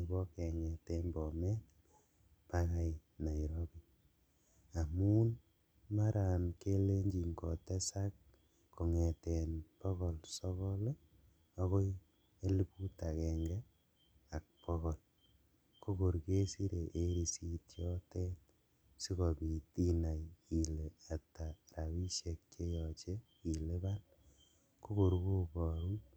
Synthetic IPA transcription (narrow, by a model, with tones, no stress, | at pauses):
i˨bɔkɛ˨ŋɛ˨tɛnbɔ˨mɛ˦t | paka˦jna˨i˨ɾɔki˨ | a˨mu˦n | maɾa˨nke˦le˦ɲd͡ʒi˨ŋkɔ˨tɛ˦sa˦k | ko˨ŋɛ˨tɛnpɔ˦ɣɔ˨lsɔ˦kɔ˦le˦ | ɔ˦ko˦ | e˦li˦pu˦ta˨kɛ˨ŋɡɛ˦ | a˨k̚pɔ˦kɔ˨l | ko˦ko˨ɾke˦si˦ɾe˨ʔe˦ɾi˨si˦tjɔ˦tɛ˦t | si˦kɔ˨pi˨ti˦na˨ji˨le˨a˨ta˨ra˨wi˦ʃe˨k̚t͡ʃe˦jɔ˨t͡ʃe˦ | i˨le˦ba˦n | ko˦ko˨ɾku˦pɔ˨ɾu˦